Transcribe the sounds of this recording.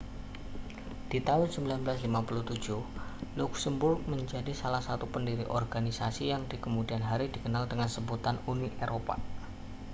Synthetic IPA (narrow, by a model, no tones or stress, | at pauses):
d̥it̪aʊnsəmbilanbəlaslimapuluht̪u̥d͡ʒuhluksəmbʊrk̚məɲd͡ʒadisalahsat̪upəndiɾḭʔɔrɡanisasijaŋdikəmudianɦaɾidikənaldəŋansəmbut̪anuniʔeɾopa̰